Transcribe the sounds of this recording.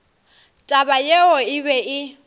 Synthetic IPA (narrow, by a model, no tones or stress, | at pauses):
tʼabajeɔɪbɛʔɪ